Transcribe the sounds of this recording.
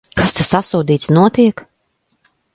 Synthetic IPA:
kʰast̪asasuːd̪iːt̪snuɔt̪iɛk

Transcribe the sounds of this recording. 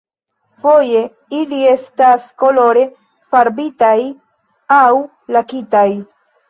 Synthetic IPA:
fo̞je̞ | ilie̞stasko̞lo̞ɾe̞ | faɾbitaj | aw | lakitaj

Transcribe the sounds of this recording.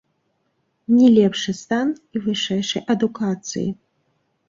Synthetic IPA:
nʲɛlʲɛpʂɨst̪anivɨʂɛjʂɐjʔɐd̪ukat̪sɨ̰jḭ

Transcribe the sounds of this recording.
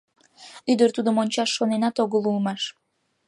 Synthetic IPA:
yd̪əɾt̪ud̪əmonʲt͡ɕɑʃːonenɑt̪oɣəlulˠmɑʃ

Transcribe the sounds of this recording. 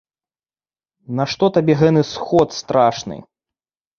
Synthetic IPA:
naʂt̪ɔt̪abʲɛɣɛt̪ɨsxɔt̪st̪ɾaʂnɨ̰

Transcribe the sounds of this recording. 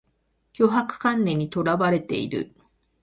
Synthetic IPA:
jʲo̞ɦakɯ̟̥kãnːẽ̞ɲ̟ːit̪o̞ɾaβaɾe̞t̪e̞̰ḭɾɯ̟̰

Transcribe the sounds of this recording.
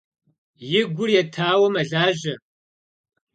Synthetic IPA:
jɪɡʷʊrjɛtʰaːwɐmɐɮaːʒɐ

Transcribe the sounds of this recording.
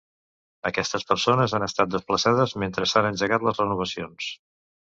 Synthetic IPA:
əkɛst̪əspəɾsonəzanəst̪at̪̚d̪əspləsað̞əzment̪ɾəsanənʲd͡ʒəɣat̪ləzrənuβ̞əsions

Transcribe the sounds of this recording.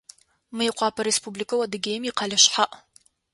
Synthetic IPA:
mɨjqʷɑːpʰɐɾespublikʰɐwɐdɨɡʲeːjmiqɑlɨʃħaʔ

